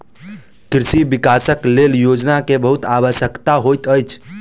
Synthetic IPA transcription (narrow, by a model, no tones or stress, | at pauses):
kɾisibikasəkleljod͡ʒnakebəɦut̪aʋəʃjəkt̪aɦojt̪əjt͡ʃʰ